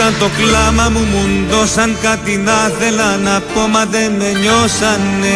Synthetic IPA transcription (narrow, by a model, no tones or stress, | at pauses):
ant̪oklamamumund̪osaŋkat̪id̪aθd̪elanapomad̪emeɲosanːe